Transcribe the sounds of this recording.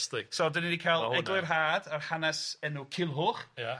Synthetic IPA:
stɪsɔdəninikʰaːlˠɛɡlˠɪrɦaːdarhanɛsɛnukʰɪlˠɦʊːχja

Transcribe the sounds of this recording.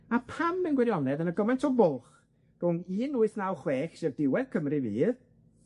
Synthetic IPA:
apʰambɛnɡwɛɾjɔnɛðənəɡɔmɛntʰɔbʊlˠχ | d̥ʊŋiːnuːɨθnawχweːχʃɛvdɪwɛð̥kʰəmrɨvḭːð

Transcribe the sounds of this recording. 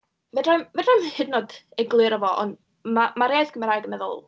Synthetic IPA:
vɛdrajmvɛdrɔjnhɪdnɔdɛɡlˠɨɾəvɔʔɔ̰nd | mamaɾeajθɡ̥ʰəməɾajɡəmɛðʊ̰lˠ

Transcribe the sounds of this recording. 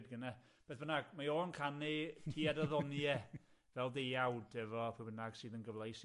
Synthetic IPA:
dɡənɛ | b̥eːθbənaɡmajɔːənkʰanɪtʰiːadəðɔnjɛ | vɛlˠdejawdɛvɔpʰubənaɡ̥sɨːðənɡəvlˠajs

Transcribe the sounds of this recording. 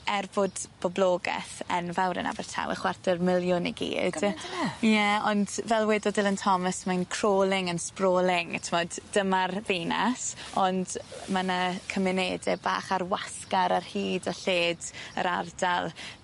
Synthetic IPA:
ɛrbʊdb̥ɔblˠoːɡɛ̰θənvawɾɛ̰na̰bɛrtʰa̰wɛ̰χwardərmɪlˠjʊniɡḭːdd̥jɛɔndvɛlˠwɛdɔdɪlˠəntʰɔməsmajnkʰr̥oːlˠɪŋənsproːlˠɪŋtʰəmɔd̥ːəmarveːna̰sɔndmanakʰəmɪneːdɛba̰ːχarwaskaɾarhiːdɔɬeːdə̰ɾardalˠ

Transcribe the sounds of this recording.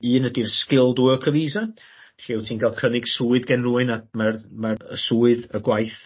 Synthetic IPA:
ɨːnədirskɪlˠduːəkʰəviːza | ɬewtʰiːnkʰalˠkʰənɪɡ̥suːɨðɡɛnruːɨnamarmaəsuːɨðəɡwajθ

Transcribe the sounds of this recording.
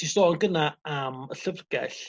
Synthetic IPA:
tʰisɔːnɡənaaməɬəvɡɛ̰ɬ

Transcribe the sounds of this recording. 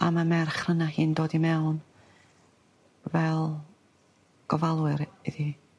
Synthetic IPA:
a̰mamɛrχrənahiːndoːdimɛwn | vɛlˠ | ɡ̥ɔvalˠwɨɾiði

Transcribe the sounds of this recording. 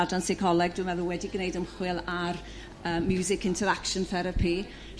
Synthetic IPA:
dansɪkʰɔlˠɛɡ̚dwɨvɛðʊwɛdiɡnejdəmχwɪlˠar | əːmːjuwzɪkɪ̃ntʰɛɾakʃənθɛɾapʰi

